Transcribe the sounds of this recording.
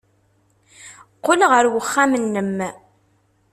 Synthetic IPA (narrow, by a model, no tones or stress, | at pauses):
qːolʁəɾwəχːamənːəmː